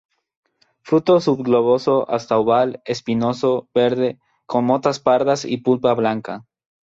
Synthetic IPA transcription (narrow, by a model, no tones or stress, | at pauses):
fɾut̪o̞suβɡloβosoʔa̰st̪awβalespinosobeɾðe | konmot̪aspaɾðasḭpulpaβlaŋka